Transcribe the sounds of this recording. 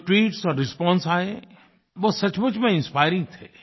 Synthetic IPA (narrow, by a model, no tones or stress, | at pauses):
ʈʋiːʈsɔːɾɾɪspɔ̃ːnsaːe | ʋosɐt͡ʃmʊt͡ʃmẽɪ̃nspaːɪɾɪ̃ŋɡ̚t̪ʰeː